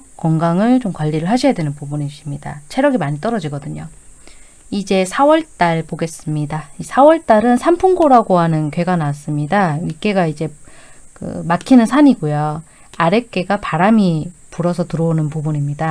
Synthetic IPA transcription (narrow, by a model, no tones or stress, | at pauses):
kwʌŋɡaŋɯɭt͡ɕomkwʌʎːiɾɯɭɦhaɕʰijadwe̞nɯnpubuniɕimɲida̰t͡ɕʰe̞ɾjʌɡimaɲit͈ʌɾʌd͡ʑiɡʌdɯɲo | id͡ʑe̞sʰawʌɭt͈aɭpoɡe̞s͈ɯmɲidaisʰawʌɭt͈aɾɯnsʰampʰuŋɡoɾaɡoɦanɯnkɥwe̞ɡanas͈ɯmɲidaɥik͈e̞ɡaid͡ʑe̞kɯ̰makʰinɯnsʰaɲiɡojo | aɾe̞k͈e̞ɡapaɾamipuɾʌsʰʌtɯɾʌonɯnpubuɲimɲida